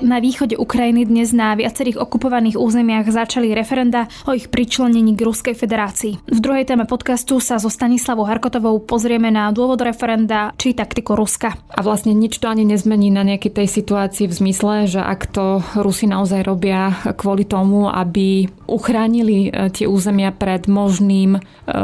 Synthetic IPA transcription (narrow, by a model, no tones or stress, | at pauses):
naʋiːxɔɟɛʔukɾajinid̪ɲɛznaʋɪat͡sɛɾiːɣɔkupɔʋaniːɣuːzɛmɪaɣzat͡ʃaliɾɛfɛɾɛnd̪aʔɔixpɾit͡ʃlɛɲɛɲiːɡɾuskɛjfɛd̪ɛɾaːt͡siːvd̪ɾuɦɛjt̪ɛːmɛpɔt̪kast̪usazɔst̪aɲislaʋɔʊɦaɾkɔt̪ɔʋɔʊpɔzɾɪɛmɛnad̪ʊɔʋɔd̪ɾɛfɛɾɛnd̪at͡ʃit̪akt̪ikuɾuskaʔaʋlasɲɛɲit͡ʃt̪ɔaɲiɲɛzmɛɲiːnaɲɛakɛt̪ɛjsit̪uaːt͡siːvzmislɛʒɛʔa̰kt̪ɔɾusinaɔzajɾɔbɪakʋɔlit̪ɔmua̰biʔuxɾaːɲilit̪ɪɛuːzɛmɪapɾɛd̪mɔʒniːm